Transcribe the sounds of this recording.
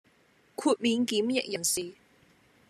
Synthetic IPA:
kʰuː˧t̚miː˨˧nkiː˨˥mjɪ̰˨k̚jɐ˨˩nsiː˨

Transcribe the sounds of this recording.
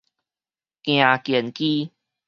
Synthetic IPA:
kj̃ã˨˩kjɛ˨˩nki˦

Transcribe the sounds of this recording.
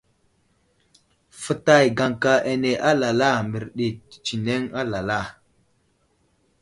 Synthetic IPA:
fə˨ta˦˨jɡa˨ŋka˦ʔe˨ne˨ʔa˦la˨la˦˨mbi˨ɾɗi˨t͡ʃi˨ne˦ŋa˦la˨la˦˨

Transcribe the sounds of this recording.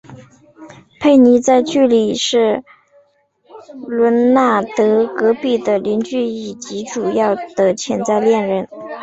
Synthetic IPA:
pʰe˥˩ɪni˧˥t͡sa˥˧ɪt͡ɕy˥˩li˨˩ʂɻ̩˥˩ | lwə˧˥nna˥˩t̪ɤ˧˥kɤ˧˥pi˥˩d̪ə˩li˧˥nt͡ɕy˥˧i˨˩t͡ɕi˧˥ʈ͡ʂu˨˩jɑ˥˩ʊd̪ə˩t͡ɕʰjɛ˧˥nt͡sa˥˧ɪljɛ˥˧nɻə˧˥n

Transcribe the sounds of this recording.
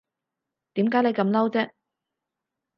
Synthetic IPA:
t̪iː˨˥mkaː˨˥nle˨˧jkɐ˨˧mlɐ˥wt͡sɛː˥

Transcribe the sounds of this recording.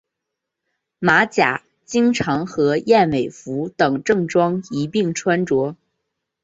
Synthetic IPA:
ma˧˥t͡ɕja̰˨˩˦ | t͡ɕi˥ŋʈ͡ʂʰɑ˧˥ŋxɤ˧˥jɛ˥˩nme˨˩ɪfu˧˥t̪ɤ˨˩ŋʈ͡ʂɤ˥˩ŋʈ͡ʂwɑ˥ŋi˧˥pi˥˩ŋʈ͡ʂʰwa˥nʈ͡ʂwɔ˧˥

